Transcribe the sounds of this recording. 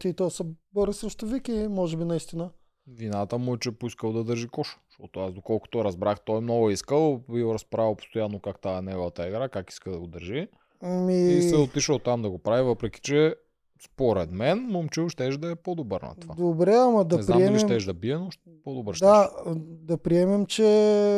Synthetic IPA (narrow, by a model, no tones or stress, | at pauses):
t̪it̪ɔsəboɾisɾɛʃt̪ovikimɔʒɛbinɐist̪inə | vinat̪əmʊɛt͡ʃɛpoiskəlˠd̪ɐd̪ɤɾʒikɔʃo̥ʃt̪ɔt̪oasd̪okɔlˠko̥t̪oɾɐzbɾaxt̪ɔjmnɔɡʊiskəlˠbiɾɐspɾavilˠpo̥st̪ojanːokakt̪aɛnɛɡovət̪əɛɡɾakaki̥skəd̪ɐɡod̪əɾʒi | miisɛot̪iʃəlˠt̪amd̪ɐɡopɾavivɤpɾɛkʲi̥t͡ʃɛ | spoɾɛd̪mɛnmomt͡ʃuwʃt̪ɛʃd̪ɐɛpod̪obəɾnɐ̰t̪ovvad̪obɾɛɐmɐd̪ɐɛznɾmiɛmiʃɛmt̪ɛʃd̪ɐbiɛnoʃt̪ɛpod̪obəɾʃtd̪ad̪ɐpɾiɛmɛmt͡ʃɛ